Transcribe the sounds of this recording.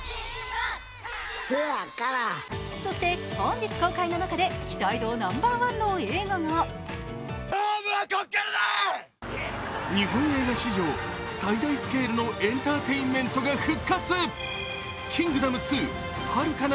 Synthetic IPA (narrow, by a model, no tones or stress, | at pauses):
soakaɾaso̞ɕt̪e̞kʰõɲd͡ʑit͡sɨ̥ko̞ːkaino̞nakad̪e̞kʲi̥t̪aid̪o̞ːnãmbaːβãnːo̞eːɡana | aɡakokeɾa | ɲihõɰ̃e̞ːɡaɕiʑo̞ː | said̪aisɨ̥ke̞ːɾɯno̞ʔẽ̞nt̪aːt̪e̞imːẽ̞nt̪o̞ɡaɸɯ̟kːat͡sɨ | kʲĩŋɡɯ̟d̪amɯ̟t͡sɨː | haɾɯ̟kan